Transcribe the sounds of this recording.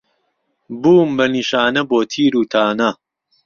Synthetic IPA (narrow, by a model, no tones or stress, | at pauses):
buːmbɐniːʃaːnɐboːt̪ʰiːɾuːt̪ʰaːnɐ